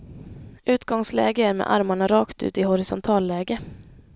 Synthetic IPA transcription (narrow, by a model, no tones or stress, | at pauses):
ʔʉ̟ːt̪ɡɔŋslɛ̰ːɡəæɾmḛːʔa̰ɾmaɳaɾɑːkt̪ʉ̰ːt̪ɪhɔɾɪsɔnt̪ʰɑːlːɛːɡə